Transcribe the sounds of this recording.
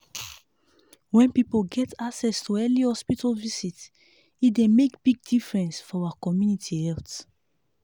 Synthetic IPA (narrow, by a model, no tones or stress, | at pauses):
wɛ̃npipolɡɛtaksɛstʰuɛlihɔspitʰalvisit | itdemekb̥iɡ̚difɹɛ̃nsfɔawakɔmjunitʰihɛlt